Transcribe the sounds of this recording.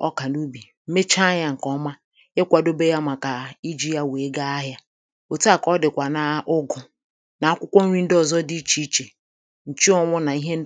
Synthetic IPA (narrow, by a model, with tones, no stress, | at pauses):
ɔ̰˦ka˨nu˦bi˨ | m̩˦me˦t͡ʃa˦ɲa˦ŋ̩˨kɔ˦ma˦ | ɪ˦kʷa˨do˦be˦ja˦ma˨ka˨i˦d͡ʒi˦ja˦we˨˦ɡa˦a˦ɦja˦ | o˨ta˦˨kɔ˦dɪ˨kʷa˨na˨ʔʊ˦ɡʊ˨ | na˨a˦kʷʊ˦kʷɔ˦n̩˦ɾi˦n̩˦dɔ˨zɔ˦di˦i˦t͡ʃi˦t͡ʃe˨ | n̩˨t͡ʃi˦ɔ˨ŋʷʊ˦na˨i˦ɦe˦n̩˦